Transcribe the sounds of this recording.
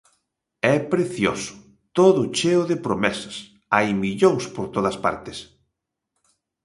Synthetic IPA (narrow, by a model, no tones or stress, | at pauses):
ɛpɾeθjo̰sʊ̥ | t̪oðʊt͡ʃeʊðepɾomɛsɐ̥s | ajmiʎoŋspoɾt̪oðɐspa̰ɾt̪ɪs